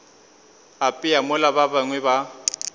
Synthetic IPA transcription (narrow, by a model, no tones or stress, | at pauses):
apʼɪamʊlababaŋwɛba